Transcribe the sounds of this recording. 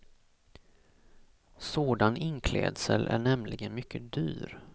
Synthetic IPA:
soːd̪anɪnkʰlɛ̰ːd̪səlʔæ̰ɳɛmlɪɡənmʏkʰːəd̪yːɾ

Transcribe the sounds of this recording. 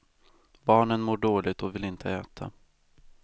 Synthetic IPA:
bɑːɳənmoːɖoːlɪɡt̪ʰɔvɪlɪnt̪ʰəɛːt̪ʰa̰

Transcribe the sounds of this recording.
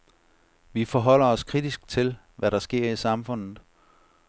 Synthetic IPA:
ʋifɒɦɒ̽l̰ɐɒ̽skʰʁid̥isɡ̥̚t͡sʰe̝l | ʋæɾɑ̈sɡ̥e̝ɐ̰isɑ̈mfɔ̽n̰ð̩ˠ

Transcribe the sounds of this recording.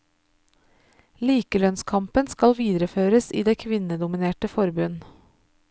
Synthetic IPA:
liːkəlœnskʰɑmpənskɑlʋiːd̪ɾəføːɾəsḭːd̪eːkʰʋɪnəd̪ʊmɪneːʈəfɔɾbʉn

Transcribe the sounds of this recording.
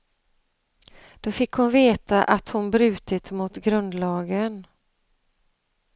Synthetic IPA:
d̪̥ofɪkːhʊnveːt̪aʔat̪hʊnbɾʉ̟ːt̪ɪt̪mʊt̪ɡɾɵnd̪lɑːɡən

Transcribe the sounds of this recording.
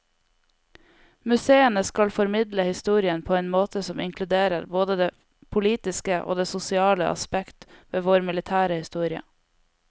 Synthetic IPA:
mʉseːənəskɑlfɔɾmɪd̪ləhɪst̪uːɾɪənpʰoːeːnmoːt̪ʰəsɔmɪŋkʰlʉd̪eːɾəɾboːd̪əd̪eː | pʰʊliːt̪ɪskəʔo̰ːd̪eːsʊsɪɑːlə̰ʔɑ̰spɛkt̪ʋeːʋoːɾmɪlɪt̪ʰæːɾəhɪst̪uːɾɪə̰

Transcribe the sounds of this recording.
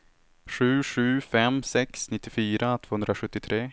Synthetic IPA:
ɧʉ̟ːɧʉ̟ːfɛmsɛksnɪt̪ːɪfyːɾat̪ʰvoːhɵnd̪ɾaɧɵt̪ːɪt̪ʰɾeː

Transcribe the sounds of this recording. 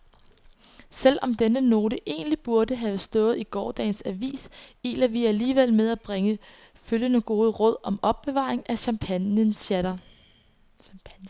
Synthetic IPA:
sel̰ɒ̽md̥enəno̝ːɾəʔe̝̰ːnlib̥uɐd̥əɦɛʊsd̥ɔ̽ːð̩ˠiɡ̥ɒːd̥ɛ̰ːnsæʋḭːsḭːlɐʋiæliːʋel̰með̞ˠæb̥ʁeŋə | føljənəɡ̥o̝ːð̞ˠəʁɔ̽ð̞̰ˠɒ̽mɒ̽b̥ːe̝ʋɑ̰̈ːʁeŋæɕɑ̈mpʰəɾɐ

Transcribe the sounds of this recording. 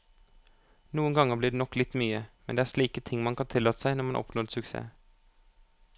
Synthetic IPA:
nuːənɡɑŋəbliːd̪eːnɔkːlɪt̪ːmyːəmɛnd̪eːæːʂɭiːkət̪ʰɪŋːmɑnkʰɑnt̪ʰɪlːɑːt̪ə̥sæɪnɔɾmɑnʔɔ̰pnɔd̪sʉksḛː

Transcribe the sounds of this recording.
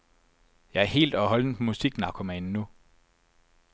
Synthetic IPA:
jɑ̈ɪæɐɦe̝̰ːld̥ɒ̽ɦɒ̽ld̥en̩pʰɒmusiɡ̥nɑ̈kʰo̝mænːu

